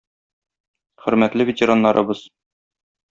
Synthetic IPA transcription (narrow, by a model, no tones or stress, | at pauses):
χɵ̆ɾmæt̪lɘvʲetʲeɾɑnːɑɾʔɤ̰̆bɤz̥